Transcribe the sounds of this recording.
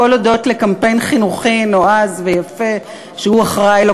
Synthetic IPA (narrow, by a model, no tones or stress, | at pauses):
olodo̞tlekampe̞jnχinuχino̞azvejafe | ʃehuaχʁajlo